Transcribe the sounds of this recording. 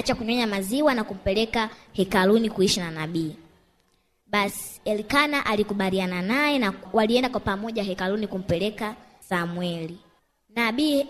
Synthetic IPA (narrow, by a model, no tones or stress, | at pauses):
t͡ʃakuɲɔɲamaziwanakum̩pɛlɛkahɛkalunikuiʃinanaɓiː | ɓasi̥ɛlikanaʔalikuɓaliananajɛnawaliɛndakwapamɔʄaɦɛkalunikum̩pɛlɛka | samwɛli | naɓiː